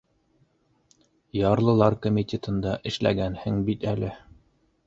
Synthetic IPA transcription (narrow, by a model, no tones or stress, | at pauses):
jɑɾlˠɤ̆lˠɑɾkomʲit̪ʲet̪ɤ̆nd̪ɑʔɘ̆ʃlæ̰ɡænhɘŋbit̪ælɘ